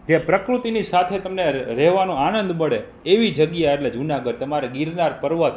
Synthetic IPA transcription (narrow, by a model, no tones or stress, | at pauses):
d͡ʒjapɾəkɾut̪inisat̪ʰet̪əmneɾɛɦʋanõanənd̪məɽe | eʋid͡ʒəɡjaeʈled͡ʒunaɡəɖt̪əmaɾeɡiɾnaɾpəɾʋət̪